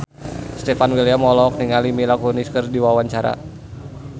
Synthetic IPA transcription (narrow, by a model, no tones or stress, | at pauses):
st̪efanwiliamɔlɔk̚niŋalimilakuniskərdiwawaɲt͡ʃaɾa̰